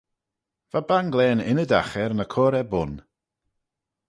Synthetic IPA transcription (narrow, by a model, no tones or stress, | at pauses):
v̥abanɡlɛːnɪnədaxɛɾnəkʰɔːɾɛbʊn